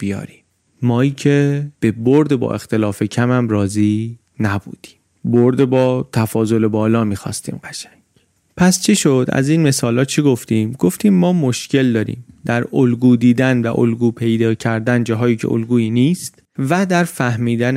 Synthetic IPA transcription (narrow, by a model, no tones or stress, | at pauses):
b̥ijɒ̰ːɾiːmː | ɒːiːcʰeb̥e̞boɾd̪ebɒ̰ːʔe̞xt̪e̞lɒːfe̞cʰæmæmɾɒːziː | næbṵːd̪̥i̥ːm | boɾd̪ebɒːt̪ʰæfɒːzo̞le̞bɒːlɒːmiːxɒ̰ːst̪ḭːmɡæʃæŋɡ̥ | pʰæst͡ʃʰeʃo̞d̪æ̰ziːnme̞sɒːlɒːt̪̚t͡ʃʰeɡo̞ft̪iːmɡo̞ft̪iːmːɒːmo̞ʃce̞ld̪ɒːɾḭːmd̪æɾolɡuːd̪iːd̪ænvæʔo̰lɡuːpʰe̞jd̪ɒːcʰæɾd̪ænd͡ʒɒːɦɒːjiːcʰe̞̰ʔo̰lɡuːiːniːst̪ | væd̪æɾfæhmiːd̪æn